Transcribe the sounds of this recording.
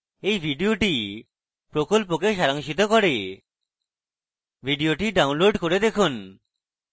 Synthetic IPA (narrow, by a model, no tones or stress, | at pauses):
ejbʱiɖioʈi | pɾokolp̬okeʃaɾaŋʃit̪okɔɾe | bʱiɖioʈiɖawnloɖkoɾed̪ekʰun